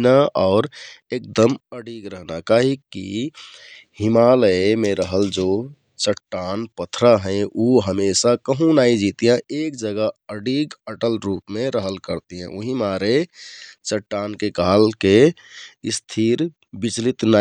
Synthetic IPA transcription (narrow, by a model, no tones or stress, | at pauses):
naɔːɾeːk̚d̪əməɖiːɡɾəɦnakaɦikḭ | hɪmaːləmẽɾəɦəld͡ʒoː | t͡ʃəʈːaːnpət̪ʰɾaɦɛ̃ʔuɦəmeːsakəɦũnaːid͡ʒiːt̪ijãʔeːk̚d͡ʒəɡəəɖiːɡəʈəlɾuːpmẽɾəɦəlkəɾt̪iɦɛ̰̃ʔʊɦĩmaːɾe | t͡ʃəʈːaːnkekaɦlke | ɪst̪ʰiːɾ | bit͡ʃlit̪na